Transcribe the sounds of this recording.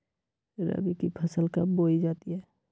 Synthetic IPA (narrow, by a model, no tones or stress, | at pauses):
ɾə̰bikipʰəsəlkaboid͡ʒaːt̪iɦɛː